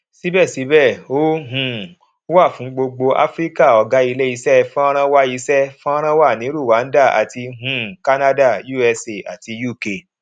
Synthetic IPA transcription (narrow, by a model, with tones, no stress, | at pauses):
si˨˦bɛ˦˨si˨˦bɛ˦˨o˦ɦũ˨˧˨ | wa˦˨fũ˨˦ɡ͡bo˧ɡ͡bo˧ʔa̰˦fɾi˦ka˦˨ɔ˧ɡa˦i˧le˦i˧sɛ˦fɔ̃˦ɾ̃ã˦wa˦i˨˧˦sɛ˦fɔ̃˦a˦ɾ̃ã˦wa˦˨nĩ˨˦ɾu˦˨wa˨˦n̩˦da˦˨a̰˨ti˧ɦũ˨ka˦na˦da˦˨ju˦˨ɛ˧se˨a̰˨ti˧˦ju˦˨ke˧